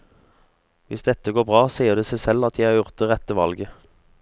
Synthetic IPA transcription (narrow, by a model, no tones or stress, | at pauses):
ʋɪsd̪ɛt̪ːəɡoːbʁɑːsiːəʁd̪eːsæɪsɛlɑt̪ʰjæɪhɑːʁjʊʁt̪̚əʁɛt̪ːəʋɑ̰lɡə